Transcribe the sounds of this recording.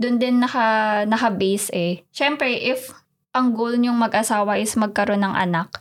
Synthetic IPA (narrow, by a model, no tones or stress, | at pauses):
d̪ʊnd̪ɪnːɐxɐnɐkɐbɛjsʔɛʃɛmpɾɛʔɪf | ʔɐŋɡolɲʊŋmɐɡʔɐsaːwɐʔɪsmɐɡ̚kɐɾo̞nːɐŋʔɐ̰nak̚